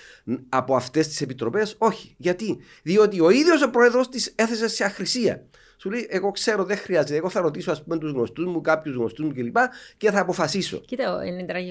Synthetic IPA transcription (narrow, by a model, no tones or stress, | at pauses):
ɐpo̞ɐft̪e̞st̪i̥sepit̪ɾo̞pe̞so̞çi̥ʝɐt̪i | ðio̞t̪io̞iðjo̞sopɾoeðɾo̞st̪ise̞θe̞seseɐxɾisiɐ̰ | sule̞iʔe̞ɣo̞kse̞ɾo̞ðeŋxɾiɐze̞t̪eɣoθɐɾo̞t̪isoɐspumet̪uzɣno̞st̪uzmukapçuzɣno̞st̪uzmucelipɐce̞θɐːpo̞fɐsiso̞̰cit̪eḛnid̪ɾɐ